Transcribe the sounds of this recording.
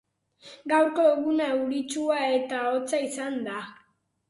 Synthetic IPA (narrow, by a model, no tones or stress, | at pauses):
ɡawɾko̞eɣunaeuɾit͡ʃuae̞t̪aot͡saisand̪a